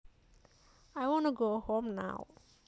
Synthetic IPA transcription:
ajwɔ̃nuɡohõmna̰w

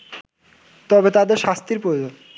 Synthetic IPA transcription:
t̪ɔbet̪ad̪eɾʃast̪iɾpɾojod͡ʑon

